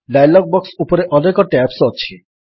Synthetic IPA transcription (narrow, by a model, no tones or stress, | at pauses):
ɖajlɔɡ̚bɔksupɔɾeʔɔnekɔʈɛpsɔt͡ɕʰi